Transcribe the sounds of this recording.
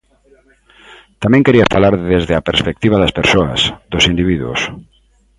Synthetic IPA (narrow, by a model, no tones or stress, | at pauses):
t̪amẽŋkeɾiafalaɾðezðeapeɾspek̚t̪iβ̞aðɐspeɾsoɐ̰sðosind̪iβiðṵs